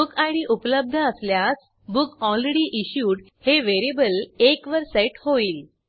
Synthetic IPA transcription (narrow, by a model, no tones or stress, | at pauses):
ukaɽ̃iʔupləb̚d̪ʱəːsljas | bukɔlɾeɽiʔiɕjuːɽ | heʋeɾibəlekʋəɾsajʈhoiːl